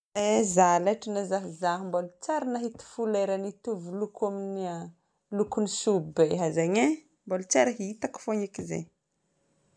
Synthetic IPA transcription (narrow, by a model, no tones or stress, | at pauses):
ezalaʈ͡ʂinazaɦizaɦumbolut͡saɾinaɦit̪i̥fuleɾanit̪uvulukaminia | lukunisubbeɦazeɲe | mbolut͡saɾaɦit̪aku̥foɲikizḛ